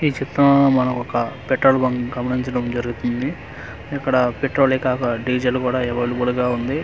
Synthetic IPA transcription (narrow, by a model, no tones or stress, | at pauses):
iːt͡ʃit̪ːɐnɐmɐnɐkɔkɐpeʈɾoːlbɐŋɡɡɐmɐniɲt͡ʃɐɽɐmd͡ʒɐɾuɡut̪und̪i | ikːɐɽɐpeʈɾoːlikaːkɐɖiːd͡ʒɐlkuːɽaːɛʋɐɽubɐɽuɡaːund̪i